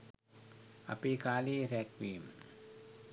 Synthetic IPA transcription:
ʔa̰pikaːliːɾɛt̪̚wiːm

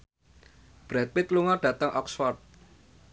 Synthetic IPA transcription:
b̥ɾɛt̪̚wɪt̪luŋɔɖ̥ä̤t̪əŋʔɔksfɔrt̪̚

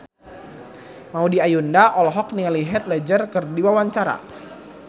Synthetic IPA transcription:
maudiajundaʔɔlɦɔk̚niŋaliɦɛt̪̚lɛd͡ʒərkɨrdiwawaɲt͡ʃaɾa̰

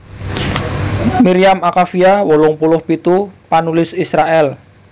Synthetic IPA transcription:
miɾiamakafiawɔlɔŋpulʊhpit̪upanulɪsisɾaʔɛl

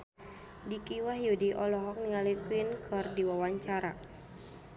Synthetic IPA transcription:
dikiwaɦjudiʔɔlɔɦɔk̚nialikwinkʰɨrdiwawaɲt͡ʃaɾa

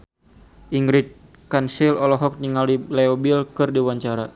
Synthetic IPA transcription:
ʔiŋɡɾit̪̚ | kansilɔlɔɦɔk̚niŋalilɛɔbilkɨrdiwaɲt͡ʃaɾa

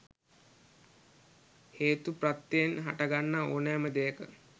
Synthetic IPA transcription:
heːt̪uprat̪ːenɦa̰ʈaɡanːaoːnæːməd̪ejəkə

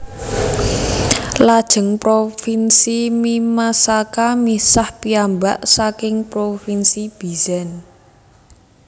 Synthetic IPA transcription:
lad̥ʒ̥ə̤ŋpɾofinsimimasakamisahpiambaʔsakɪŋpɾofinsib̥izɛn

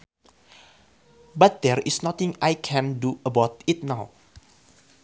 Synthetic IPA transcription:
bat̪̚d̪ɛɹɪsnɔt̪ɪ̃ŋajkʰɛ̃nduəbawt̪it̪̚naw

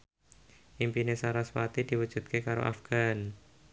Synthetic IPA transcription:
ʔimpinesaɾaswat̪id̥i̤wə̥ʒ̥ṳt̪̚kekaɾo̰ʔa̰fɡ̥an

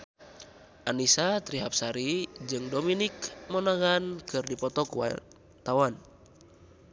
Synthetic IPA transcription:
ʔanisat̪ɾiɦap̚saɾid͡ʒɨŋdominikmɔnaɣankɨrdipɔt̪ɔkuwa̰ | t̪awan

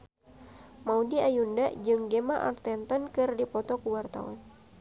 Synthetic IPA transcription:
maudiajundaʔd͡ʒɨŋɡemaʔa̰rt̪ɛnt̪ɔnkɨrdipɔt̪ɔkuwart̪a̰wa̰n

